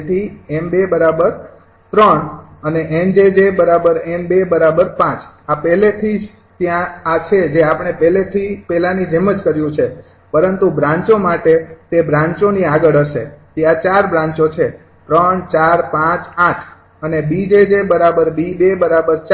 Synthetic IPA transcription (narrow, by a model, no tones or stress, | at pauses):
et̪ʰiɛmbebəɾabəɾ | t̪ɾəɳəneʔend͡ʒed͡ʒebəɾabəɾɛmbebəɾabəɾpãt͡ʃapɛlet̪ʰid͡ʒ | t̪jãːt͡ʃʰed͡ʒeapəɽ̃epɛlet̪ʰipɛlanid͡ʒɛmət͡ʃkəɾjũt͡ʃʰe | pəɾənt̪ubɾãɲt͡ʃomaʈet̪ebɾãɲt͡ʃoniaɡəɭəʃḛt̪jãt͡ʃaɾbɾãɲt͡ʃot͡ʃʰe | t̪ɾəɳt͡ʃaɾpãt͡ʃaʈʰ | ənebid͡ʒed͡ʒebəɾabəɾbibebəɾabəɾt͡ʃ